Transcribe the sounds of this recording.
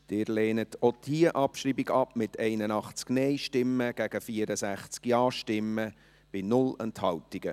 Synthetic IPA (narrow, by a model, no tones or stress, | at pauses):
d̥ɪːɾlɛːnət̪ʰod̥ʰiːəʔɑpʃɾiːbiɡɑpmɪtʰɛɪnənɑχt͡sknɛɪʃtɪmːəɡ̥æɡ̥əfiːəɾəsæχt͡skjɑːʃtɪmːə | b̥ɪnʊlɛnthɑltɪɡ̥ə